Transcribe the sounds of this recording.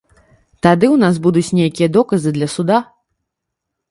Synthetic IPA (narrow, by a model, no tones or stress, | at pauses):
t̪ad̪ɨwnas̬bud̪ut͡sʲnʲejakʲijɐd̪ɔkɐzɨd̪lʲɐsud̪a